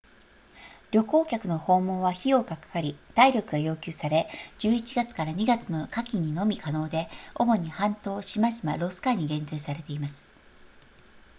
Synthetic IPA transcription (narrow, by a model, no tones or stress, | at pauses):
ɾʲo̞ko̞ːkʲakɯ̟no̞ho̞ːmo̞ːβaçio̞ːkakḁkaɾʲid̪̥aiɾʲo̞kɯ̟ɡajo̞ːkʲɨːsaɾe̞d͡ʑɨːit͡ɕiɡat͡sɨ̥kaɾaɲ̟iɡat͡sɨno̞kakʲiɲ̟ino̞mʲikʰano̞ːd̪e̞o̞mo̞ɲ̟ihãnt̪o̞ːɕimaʑima̰ɾo̞sɨ̥kaɲ̟iɡẽ̞nt̪ɨːsaɾe̞t̪e̞imasɨ̥